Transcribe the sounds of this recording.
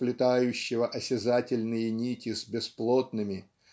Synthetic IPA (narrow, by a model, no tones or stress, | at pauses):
plʲɪt̪ajʉɕːɪvəʔɐsʲɪzatʲɪlʲnɨjɪnʲitʲɪsbʲɪsplˠot̪̚nɨmʲɪ